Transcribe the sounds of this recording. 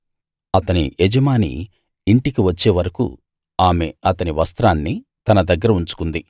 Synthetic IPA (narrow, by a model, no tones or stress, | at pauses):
ɐt̪ɐnḭed͡ʒɐmaːnḭː | ɳʈikiʋɐt͡ʃːe̞ːʋɐɾɐkṵ | aːmeɐt̪ɐniʋɐst̪ɾaːnːi | t̪ɐnɐd̪ɐɡːɐɾɐuɲt͡ʃu̥kund̪i